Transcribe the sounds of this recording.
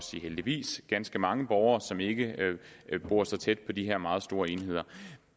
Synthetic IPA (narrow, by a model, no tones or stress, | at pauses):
sḭheld̥iʋḭːsɡ̥ænsɡ̥əmɑ̈ŋəb̥ɒʊɐːsɒ̽me̝ɡ̥ə | b̥o̝ɐsɑ̈ɪt͡sʰed̥̚pʰɒ̽d̥iɦeɐ̰mɑ̈ːð̩ˠsd̥o̝ːɐe̝nhe̝ð̞̰ˠɐ